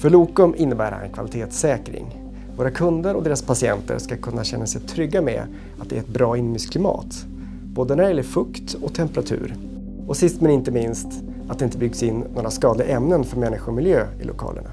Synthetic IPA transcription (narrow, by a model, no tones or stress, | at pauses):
fœɭuːkɔmɪnːəbæːɾha̰ɛ̰nkʰvalɪt̪ʰeːt̪sɛːkɾɪ̰ŋ | voːɾakʰɵnd̪əɾɔd̪eːɾaspʰasɪɛ̰nt̪ə̰ɾʂkakʰɵnːaɕɛnːasɛjt̪ʰɾʏɡːamɛ̰ | at̪̚d̪ɛæɾɛt̪̚bɾɑːɪnmʏskʰlɪmɑ̰ːt̪ | b̥oːd̪ənæɾlɪfɵkt̪ɔt̪ʰɛmpɛɾat̪ʰʉ̟̰ːɾ | ɔsɪst̪mɛnɪnt̪əmɪnst̪ | at̪d̪ɛɪnt̪əbʏɡsɪnːnoːɾaskɑːd̪lɪɡaʔɛmnənfœɾmɛnːɪɧʊɾɔmɪljøːɪ̰lʊkʰɑ̰ːlə̰ɳa̰